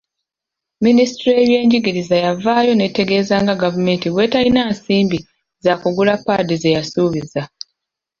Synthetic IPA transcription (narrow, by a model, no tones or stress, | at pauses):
ministɾie̞βje̞ːɲɟiɡiɾizajavaːjo̞ne̞te̞ɡe̞ːzaːŋɡaɡavume̞ːntiβwe̞ːtalinaːnsiːmbi | zakuɡulapːaːdize̞jasuːβiza